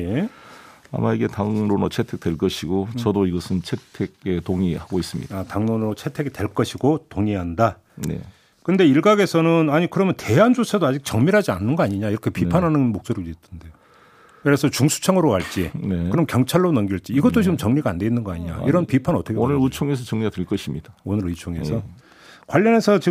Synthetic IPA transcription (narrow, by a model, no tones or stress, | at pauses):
e | a̰maiɡe̞taŋnonot͡ɕʰetʰe̞k̚t͈we̞ɭk͈ʌɕʰiɡot͡ɕʌdoiɡʌsʰɯnt͡ɕʰetʰeɡ̚etoŋihaɡois͈ɯmɲḭdataŋnonɯɾot͡ɕʰe̞tʰe̞ɡitwe̞ɭk͈ʌɕʰiɡotoŋiɦanda | nḛ | kɯnde̞iɭɡaɡe̞sʰʌnɯnaɲikɯɾʌmjʌnte̞ɦand͡ʑot͡ɕʰadoad͡ʑik̚t͡ɕʌŋmiɾɦad͡ʑia̰nːɯnɡʌaɲiɲaiɾʌkʰe̞pipʰanɦanɯnmok̚s͈oɾiditʰɯnde̞jo | kɯɾesʰʌt͡ɕuŋsʰu̥t͡ɕʰaŋɯɾokaɭt͡ɕ͈ineɯɾʌmkjʌŋt͡ɕʰaɭːonʌŋɡiɭt͡ɕ͈iːɡʌtt͈ot͡ɕiɡɯmt͡ɕʌŋɲiɡande̞inːɯnɡʌa̰ɲiɲa̰iɾʌnpipʰanʌtʰʌkʰeonɯɾɯt͡ɕʰoŋes̬ʰʌt͡ɕʌŋɲiɡadweɭk͈ʌɕʰimɲid̥aonɯɾɯt͡ɕʰoŋe̞̰sʰʌ | kwaʎːʌne̞sʰʌt͡ɕi